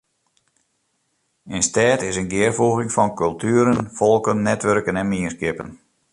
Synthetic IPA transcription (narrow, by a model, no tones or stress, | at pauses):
ɪnstɛːtɪsənɡɪərfuɣɪŋfɔnkɵlˠtʰyːəɾənfɔlˠkənːɛtʋørkənɛnmiəskɪpə̰n